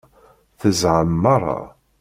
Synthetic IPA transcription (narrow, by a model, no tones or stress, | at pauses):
θəzʕəmːɑɾˤːɑ̰